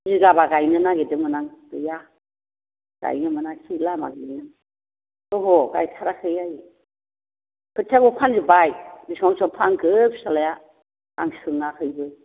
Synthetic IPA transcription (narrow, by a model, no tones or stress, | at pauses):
ziɡabaɡajnɯnaɡedɯmɯnaŋb̥ɯja | ɡ̥a̰jnɯmɯnakʰilama̰ɡijnɯŋ | tɔɦɔɡa̰jtʰaɾakʰɯjaji | kʰɯtʰaɡupʰanzibajbisaŋsɔpʰaŋɡɯpsalaja | a̰ŋsɯŋakʰɯjbɯj